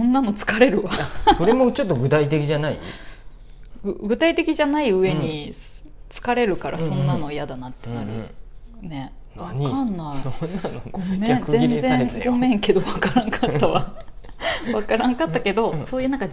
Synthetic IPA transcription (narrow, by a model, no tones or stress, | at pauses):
sõnːano̞t͡sɨ̥kaɾe̞ɾɯ̟βaso̞ɾemot͡ɕo̞t̪ːoɡɯ̟t̪ait̪e̞kʲiʑanaḭ | ɡɯɡɯ̟t̪ait̪e̞kʲiʑanaiɯ̟e̞ɲ̟i | t͡sɨ̥kaɾe̞ɾɯ̟kaɾʔa̰sõ̞nːano̞ijad̪anat̪ːe̞naɾɯ̟ | ne̞ | akãnːai | ɡomẽnzẽ̞nzẽ̞ŋɡo̞mẽ̞ŋke̞d̪o̞βakaɾãŋkatt̪ːaβa | βakaɾãŋkat̪ːake̞d̪o̞so̞ːjɯ̟nãŋka